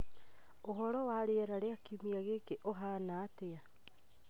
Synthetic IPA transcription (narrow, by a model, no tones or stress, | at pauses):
oɦɔɾɔwaːɾeaɾaɾeakimiaɣekeʔoɦanaːtea